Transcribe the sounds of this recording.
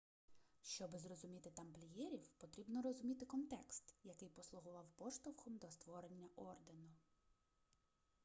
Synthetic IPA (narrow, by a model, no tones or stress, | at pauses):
ʃt͡ʃɔbɪzrɔzʊmʲit̪ɪt̪ɐmplʲijɛɾʲiwpɔt̪ɾʲibnɔɾɔzʊmʲit̪ɪkɔnt̪ɛkst̪jɐkɪjpɔslˠʊɦʊʋɑwpɔʃt̪ɔwxɔmd̪ɔst̪ʋɔɾenʲːɐʔɔrd̪enʊ